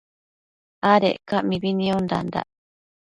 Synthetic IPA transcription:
aɾḛʔkaʔmiβinĩond̪a̰nd̪a̰ʔ

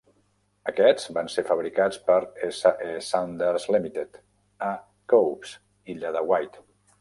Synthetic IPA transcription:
əkɛzbansefəβɾikat͡spəɾesaʔesand̪əɾzlimit̪et̪ | a | kowps | iʎaðəwajt̪

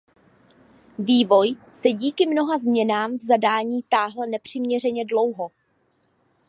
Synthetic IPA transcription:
viːvo̞j | sɛɟiːkɪmno̞ɦazmɲɛnaːmvzadaːɲiːt̪aːɦl̩nɛpr̝̥ɪmɲɛr̝ɛɲɛdlo̞wɦo̞

